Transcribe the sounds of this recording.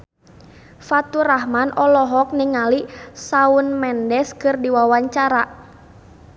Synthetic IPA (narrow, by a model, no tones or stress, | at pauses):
fat̪uɾaɦmanʔɔlɔɦɔk̚niŋalisaunmɛndɛskɨrdiwawaɲt͡ʃaɾa